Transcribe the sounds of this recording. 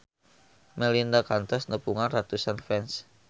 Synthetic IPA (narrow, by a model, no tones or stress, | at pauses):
melindakant̪ɔsnəpuŋanrat̪usanfɛns